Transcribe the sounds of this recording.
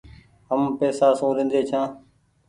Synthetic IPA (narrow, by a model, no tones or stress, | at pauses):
ɦəmpeːsaːsõːɾɪ̃nd̪eːt͡ʃʰãː